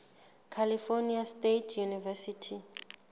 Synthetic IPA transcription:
kʰalifoniastetʰjunivɛsitʰi

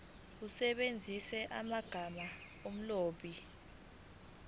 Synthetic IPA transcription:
usɛɓend͡zʱisɛʔamaɡ̥ʱama | om̩loːɓi

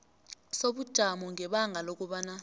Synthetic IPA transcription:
soɓud̥ʒ̥ʱamɔŋʱɛɓaŋʱalok̬ʼuɓana

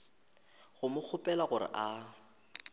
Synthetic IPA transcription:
ɣʊmʊk͡xʰʊpʼɛlaɣʊrɪ̰ʔa

